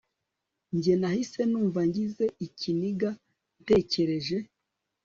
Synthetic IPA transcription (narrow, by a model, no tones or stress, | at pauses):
ɲɟe̞nahise̞nuːɱvaɲɟize̞iciniɡa | nte̞ːceɾe̞ʒe̞